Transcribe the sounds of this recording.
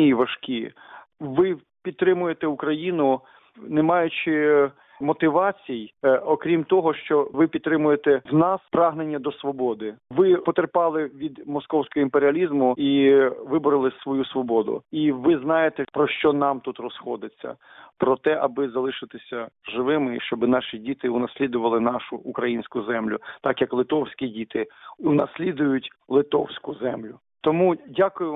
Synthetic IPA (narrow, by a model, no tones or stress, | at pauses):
ijiʋɐʃkʲi | ʋɪ | pʲidt̪̚t̪ːɾɪmʊjet̪ɛukɾɐjinʊ | nemɑjʊt͡ʃɪ | mɔt̪ɪʋɑt͡sʲijɔkɾʲimt̪ɔɦɔʃt͡ʃɔʋɪpʲid̪t̪ːɾɪmʊjet̪ɛwnɑspɾɑɦnenʲːɐd̪ɔsʋɔbɔd̪ɪʋɪpɔt̪erpɑlˠɪʋʲid̪mɔskɔwsʲkɔɦɔimpeɾʲiɐlʲizmʊiʋɪbʊɾɐlˠɪsʋɔjusʋɔbɔd̪ʊ̰iʋɪznɑjet̪ɛpɾɔʃt͡ʃɔnɑmt̪ut̪rɔsxɔd̪ɪt͡sʲːɐ̰ | pɾɔt̪ɛʔɐbɪzɐlˠɪʃɪt̪ɪsʲɐʒɪʋɪmɪʃt͡ʃɔbɪnɑʃidʲit̪ɪʊnɐsʲlʲid̪ʊʋɐlˠɪnɑʃʊːkɾɐjinʲsʲkʊzɛmlʲʊt̪ɑkjɐklˠɪt̪ɔwsʲkʲidʲit̪ɪunɐsʲlʲid̪ʊjʊtʲ | lˠɪt̪ɔwsʲkʊzɛmlʲʊ | t̪ɔmudʲakʊjʊ